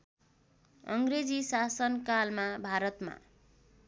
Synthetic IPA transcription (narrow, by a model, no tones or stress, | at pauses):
ʌŋɡred͡zisasʌnkalmabʱaɾʌt̪ma̰